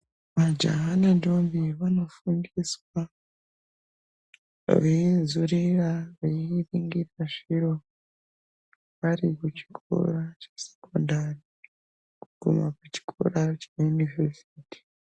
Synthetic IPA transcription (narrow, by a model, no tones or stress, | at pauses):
βad͡ʒa̰ɦanadoːmbiβano̞fuːndiswa | βeizuɾiɾaβeiɾiːŋɡiɾaʐiɾo̞ | βaɾikut͡ʃi̥kʰo̰ɾat͡ʃḁse̥ko̞̰ndaɾi | kuɡ̥ṵmakuci̥kʰo̞̰ɾat͡ʃajunivesiti̥